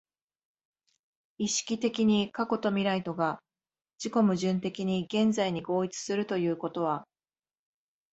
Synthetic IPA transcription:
iɕi̥kʲit̪e̞kʲiɲ̟ikako̞t̪o̞mʲiɾait̪o̞ɡa | d͡ʑiko̞mɯ̟ʑɨ̃nt̪e̞kʲiɲ̟iɡẽ̞nd͡zaiɲ̟iɡo̞ːit͡sɨ̥sɨɾɯ̟t̪o̞jɯ̟ːko̞t̪o̞β̞a

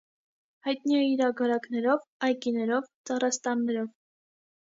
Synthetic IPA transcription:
hɑjt̪niɛiɾɑɡɑɾɑknɛɾɔvɑjkinɛɾɔvt͡sɑrɑst̪ɑnːɛɾɔv

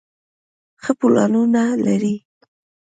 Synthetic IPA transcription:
xəpulɑ̰nunalaɾi

